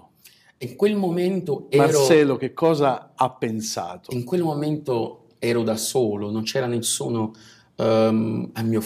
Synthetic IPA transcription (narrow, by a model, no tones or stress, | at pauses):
iŋkwelmoment̪oɛmarɾosɛːlok̟ekːɔːzaapːensa̰ːt̪o̥iŋkwelmoment̪o | ɛːɾod̪asoːlonont͡ʃɛːɾanesːuːno | amːiːo